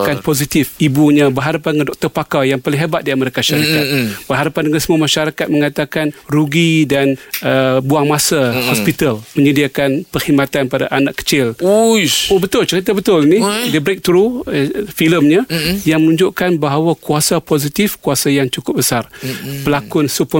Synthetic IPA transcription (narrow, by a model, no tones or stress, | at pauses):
kanpozit̪ɪfibuɲãbərɦaɾapandəŋandɔk̚t̪ərpakajaŋpalɪŋɦebat̪̚diaməɾekaʃaɾikat̪̚b̥ərɦaɾapandəŋansəmuamaʃaɾakat̪̚məŋat̪akanruɡidanəbuaŋmasahɔspit̪almə̃ɲədiakanpərhimat̪anpadaʔanaʔkːə̥t͡ʃɪl | obət̪ʊlt͡ʃəɾit̪̬abət̪ʊlnidibɾek̚t̪ɾu | filəmɲajaŋmənũɲd͡ʒʊʔkanbaɦawakuasapozit̪ifkuasajaŋt͡ʃukʊp̚bəsarpəlakʊnsup